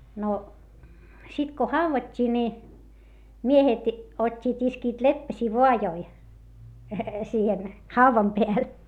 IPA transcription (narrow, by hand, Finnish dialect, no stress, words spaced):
no sit ko hɑuʋɑtʲːiː ni miehet otʲːiːt iskiːt lepːæsʲiː ʋoɑjoi siːhen hɑuʋɑm peæl